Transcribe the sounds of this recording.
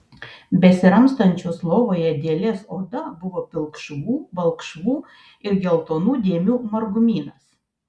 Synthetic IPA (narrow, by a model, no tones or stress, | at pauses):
bʲɛsʲɪɾɐmst̪ɐnʲt͡ʃʲoːslˠoːʋoːjɛd̪ʲeːlʲeːsoːd̪ɐbʊʋoːpʲɪlˠkʃʋuːʋɐlˠˑkʃʋuː | ɪɾɡʲɛlˠt̪oːnuːd̪ʲeːmʲuːmɐɾɡʊmʲiːnɐs